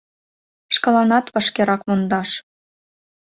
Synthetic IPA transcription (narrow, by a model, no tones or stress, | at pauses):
ʃkɤ̆lɑnɑt̪βɤ̆ʃkeɾɑkmond̪ɑʃ